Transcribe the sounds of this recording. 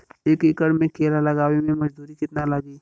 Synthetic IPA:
eːkɪkəɽmẽkʰeːlalɐɡaːwimẽmɐd͡ʒd̪uːɾikɪt̪nalaɡiː

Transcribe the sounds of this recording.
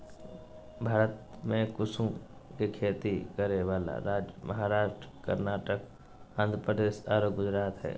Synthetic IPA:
bʱaːɾət̪ | mẽkʊsũkikʰeːt̪ikəɾeʋaːla̰ɾaːd͡ʒəməɦaːɾaːʃʈɾəkə̰ɾnaːʈək | ə̃nd̪ɾəpɾəd̪eːʃaːɾoːɡ̚ɡʊd͡ʒɾaːt̪ɦɛ̰ː

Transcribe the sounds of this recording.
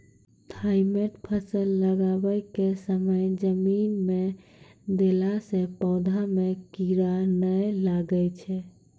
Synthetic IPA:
t̪ʰaɪmeʈpʰəsəlːəɡabəjkesəməjd͡ʒəminme | d̪elasẽpɔwd̪ʱamekiɾanəjlaɡəjt͡ʃʰɛ

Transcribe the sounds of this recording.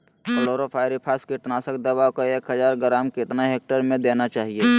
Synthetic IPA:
kəloːɾopʰaːɪɾipʰaːskiʈnaːsək̚d̪əbaːwkoeːkɦəd͡ʒaːɾɡɾaːmkɪt̪naɦeːk̚ʈəɾmẽd̪eːnat͡ʃaːɦie

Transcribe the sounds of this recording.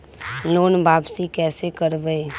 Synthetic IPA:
loːnbaːbsikɛːsekəɾbəe

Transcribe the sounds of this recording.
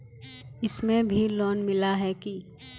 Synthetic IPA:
ɪsmẽbʱilɔːnmɪlaɦɛki

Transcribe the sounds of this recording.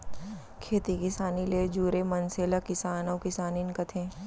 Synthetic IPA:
kʰeːt̪ikɪsaːnileːd͡ʒuːɾemɐnseːlakɪsaːnɐːkɪsaːninkɐt̪ʰẽː

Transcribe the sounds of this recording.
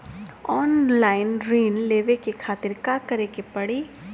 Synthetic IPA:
ɔːnlaːɪnɾiːnleːʋekekʰaːt̪ɪɾkaːkɐɾekepɐɽi

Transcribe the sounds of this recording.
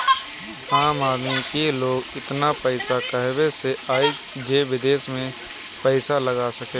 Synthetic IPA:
aːmaːd̪mikeloːɡɪt̪napɛɪsakəɦʋeseaːe | d͡ʒeːʋɪd̪eːʃmẽ | pɛɪsaləɡaːsɐkeː

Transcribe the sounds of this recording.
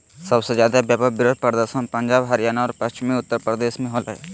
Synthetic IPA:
sɐbsezjaːd̪abjaːpəbɪɾoːd̪̚pəɾd̪əɾʃənpɐ̃ɲd͡ʒaːbɦɐɾijaːnaɔːɾpɐst͡ʃɪmiʊt̪ːəɾpɾəd̪eːsmẽɦolɦɛ̰ː

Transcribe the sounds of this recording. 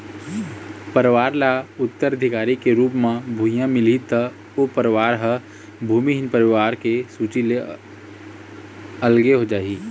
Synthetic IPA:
pəɾʋaːɾlaʊt̪ːəɾəd̪ʱɪkaːɾikeɾuːpmãbʱuːjãmɪlit̪ə | opəɾʋaːɾɦə | bʱuːmiɦɪnpəɾɪʋaːɾkesuːt͡ʃile | əlɡeɦod͡ʒaːiː

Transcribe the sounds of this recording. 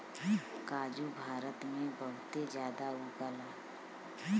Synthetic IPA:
kaːd͡ʒubʱaːɾət̪mẽbəɦʊt̪ed͡ʒjaːd̪auɡəlaː

